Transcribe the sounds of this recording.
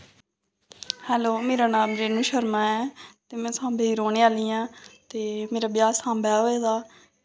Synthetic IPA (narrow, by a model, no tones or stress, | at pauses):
hɛːloːmeːɾaːnãːmd͡ʒeːnũːʃəɾmãːɛːt̪eːmɛ̃ːsãːmbeiːɾoːneːaːliːãːt̪eːmeːɾaːbɪjaːsãːmbɛːɦoːeːd̪aː